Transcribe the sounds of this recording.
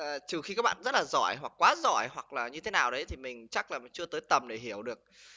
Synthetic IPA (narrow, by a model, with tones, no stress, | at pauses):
əː˨˩t͡ɕɨ˨˩xi˧kaː˦˥ɓa̰ː˧˨nzə˦˥t̚laː˨˩zɔ̰˧˩˨jɦwa˨˩k̚ːwaː˨˦zɔ̰˧˩jɦwa˨˩k̚laː˨˩ɲɨ˧t̪ʰe˨˦naː˨˩wɗə˨˦jt̪ʰi˨˩mï˨˩ŋ̟t͡ɕa˦˥k̚laː˨˩˨t͡ɕɨ˧ət̪əː˨˦jt̪ə˨˩mɗe˧˩ɦi˧˩əwɗɨ˨˩ək̚